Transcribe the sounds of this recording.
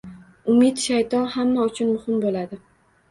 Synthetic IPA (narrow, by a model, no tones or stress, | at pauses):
ʊmɪt̪ʃajt̪ʰɒnhamːaʊt͡ʃʰʊnmʊhɪmbolad̪ɪ